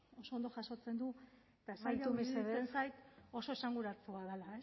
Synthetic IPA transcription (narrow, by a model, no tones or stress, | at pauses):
o̞so̞ːnd̪o̞ʝaso̞t͡se̞nd̪u | et̪aesajʎaumeiseðt͡sensajt̪o̞so̞esaŋɡuɾaɾt͡suaðelae